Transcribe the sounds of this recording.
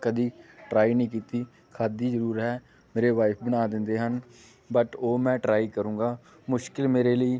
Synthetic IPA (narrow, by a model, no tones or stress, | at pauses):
kəd̪iːʈɾaːiːnəĩːkiːt̪iː | kʰaːd̪iːzəɾuːɾɦɛː | meːɾeːʋaːɪpʰbənaːd̪ɪnd̪eːɦən | bəʈoːmɛ̃ːʈɾaːiːkəɾũːŋɡaː | mʊʃkɪlmeːɾeːləiː